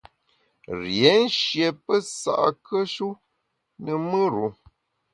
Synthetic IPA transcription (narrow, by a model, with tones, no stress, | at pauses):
ɾje˨˦n̩˦ʃje˨pə˦sa̰˨ʔkʰə˦ʃu˦ | nə˨mɨ˦ɾu˨˦